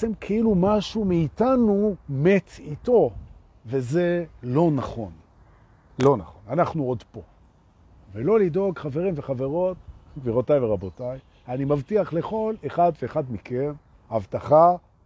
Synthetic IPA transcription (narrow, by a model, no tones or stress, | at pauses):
t͡semkʰeilumaʃumeːtanumetito̞ | ve̞zelo̞naχo̞n | lo̞naχo̞nanaχnuodpo̞ | velo̞lido̞ɡχave̞ʁimveχave̞ʁo̞t̚ɡviʁotajveʁabotaj | animavtiaχle̞χo̞leχadveːχadmiken | avtaχa